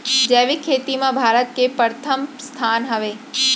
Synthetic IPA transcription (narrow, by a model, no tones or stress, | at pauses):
d͡ʑɛːʋikʰːeːt̪imãbʱaːɾət̪̚kepəɾt̪ʰəmst̪ʰaːnɦɐʋeː